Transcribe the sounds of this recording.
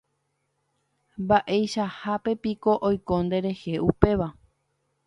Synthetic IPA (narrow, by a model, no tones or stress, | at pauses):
mbaʔe̞jʃahape̞piko̞ʔojkõ̞nd̪e̞ɾe̞he̞ʔupe̞ʋa